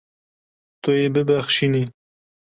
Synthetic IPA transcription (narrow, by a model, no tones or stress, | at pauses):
t̪ojebɪbaxʃini